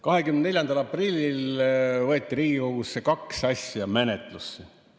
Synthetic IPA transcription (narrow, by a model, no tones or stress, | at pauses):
kɑɦe̞kymnd̪ne̞lʲjɑnd̪̥ɑlɑprilʲːilvɤet̪ːˑiɾiːɡikoɡusːekɑksɑsʲjujɑmenet̪ˑlusːi